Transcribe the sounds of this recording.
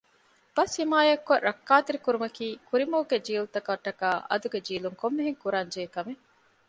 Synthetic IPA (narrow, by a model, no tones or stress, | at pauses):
b̥ɐsimaːjɐkːoɾʔɐkːaːt̪iɾikuɾumɐkiːkuɾimɐːɡed͡ʒiːlut̪ɐkɐʈːɐkaːʔɐ̰d̪uɡed͡ʒiːluŋkomːeɦeŋkuɾaːɲd͡ʒeːkɐme